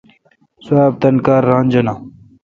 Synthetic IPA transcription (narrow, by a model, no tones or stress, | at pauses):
saːb̚t̪ɐnkaːɾːaːnd͡ʑɐnãː